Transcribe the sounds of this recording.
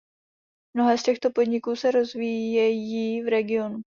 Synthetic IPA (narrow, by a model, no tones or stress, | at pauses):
mno̞ɦɛːscɛxt̪o̞po̞dɲɪkuːsɛɾo̞zviːjɛjivɾɛɡɪo̞nu